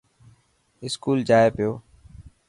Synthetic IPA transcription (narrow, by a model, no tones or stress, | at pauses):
ɪskuːld͡ʒaːeːpɪjoː